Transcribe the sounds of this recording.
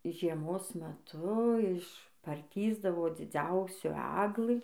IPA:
ʒʲiɛˈmoːs mʲɛˈtʊ ɪʃ pɐrʲˈtʲiːzdɐʋoː d͡zʲɪˈd͡zʲɛʊsʲuː ˈæɡlˠɨ

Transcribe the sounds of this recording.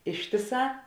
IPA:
ˈɪʃʲtʲɪˌsɑː

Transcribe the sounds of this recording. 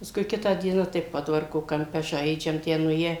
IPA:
pɐˈskʊɪ ˈkʲɪtɑː ˈdʲiɛnɑː tɐɪ ˈpoːdʋɐrkoː kɐmʲˈpʲɛ ʒɐɪd͡ʒʲɛm ˈtʲæː nʊˈeːjɛ

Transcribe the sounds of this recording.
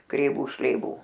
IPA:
krʲɛɪˈʋuː ʃʲlʲɛɪˈʋuː

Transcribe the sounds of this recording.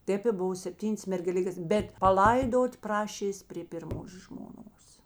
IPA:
ˈtʲeːp ɪ ˈbʊʋɐ sʲɛpʲˈtʲiːnʲeːs mʲɛrʲɡʲɛˈlʲɪkʲeːs ˈbʲɛt pɐˈlˠɐɪdoːtʲ ˈprɑːʃʲeːsʲ pʲrʲeː pʲɪrˈmoːs ʒmoːˈnoːs

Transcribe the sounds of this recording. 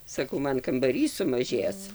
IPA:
sɐˈkɐʊ ˈmɐn kɐmbɐˈrʲiːs sʊmɐˈʒʲeːs

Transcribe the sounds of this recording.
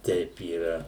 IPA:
ˈtʲɛɪp iːˈrɐ

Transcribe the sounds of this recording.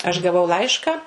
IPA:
ɐʃ ɡɐˈʋɐʊ ˈlˠɐɪʃkɑː

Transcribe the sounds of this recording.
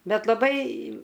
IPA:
ˈbʲɛt lˠɐˈbɐɪ

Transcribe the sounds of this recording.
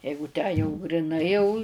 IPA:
ˈjɛɪɡʊ tʲæː jɛʊ ɡrʲɪˈnɐɪ jɛʊ

